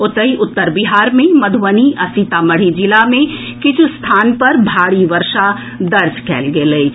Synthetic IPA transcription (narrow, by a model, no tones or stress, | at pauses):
ʊt̪əiʔʊt̪ːəɾbɪɦaːɾmẽmɐd̪ʱʋəniʔɐsit̪amɐɽ̤id͡ʒɪlamẽ | kɪt͡ʃʰst̪ʰaːnpɐɾbʱaːɽiʋəɾʃa | d̪ɐɾd͡ʒkɛ̰ːlɡeləi